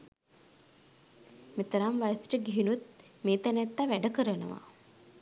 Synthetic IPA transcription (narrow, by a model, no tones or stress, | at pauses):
met̪əɾamʋajəsi̥ʈəɡiɦinut̪̚meːt̪ænæt̪ːaʋæɖəkəɾənə̰ʋa̰